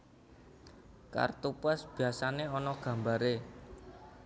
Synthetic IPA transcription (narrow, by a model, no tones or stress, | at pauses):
ka̰rt̪upɛsb̥i̤asaneɔnɔɡ̥ä̤mbaɾe